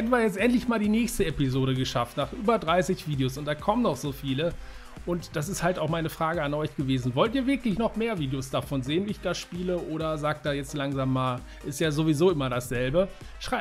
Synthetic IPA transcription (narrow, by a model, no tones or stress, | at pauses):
hɛɐtn̩viːɐjɛt͡stʔɛntlɪçmaːldiːnɛːçstəɛpizoːɾəɡəʃaftnaːχʔyːbɐdʁaɪsɪçv̥iːdeoːsʊntd̥aːkʰɔmənɔχz̥oːfiːlə | ʔʊntd̥asɪsthaltaʊxmaɪnəfʁ̥aːɡəanʔɔʏçɡ̥əveːzn̩vɔltiːɐvɪɐklɪçnɔχmeːɐviːdeosd̥afɔnzeːənviːɪçd̥aːʃpiːləʔoːɾɐzaːk̚t̚d̥aːjɛt͡stlaŋzaːmːaːl | ʔɪstjaːzovizoːɪmɐɾasz̥ɛlbə | ʃʁ̥aɪ